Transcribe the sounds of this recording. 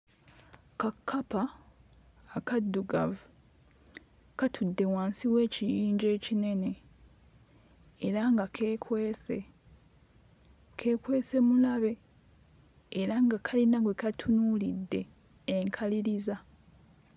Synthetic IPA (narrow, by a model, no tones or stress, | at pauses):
kakʰːapaː | kadːuɡa̰vu | katʰudːe̞waːnsiβwe̞ːcijiːɲɟe̞ːcine̞ne̞ | ɾaŋɡakʰeːkweːse | kʰe̞ːkwe̞ːse̞mulaβe̞ | ɾaŋɡakʰalinaɡwekatʰunuːlidːe̞ː | ŋkʰaliɾiza